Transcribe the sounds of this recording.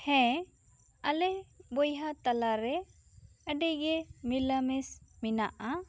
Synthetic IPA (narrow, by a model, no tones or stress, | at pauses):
hɛ̃ | alɛbɔjɦat̪alaɾɛ | əɖiɡɛmilamɛsmina̰ʔa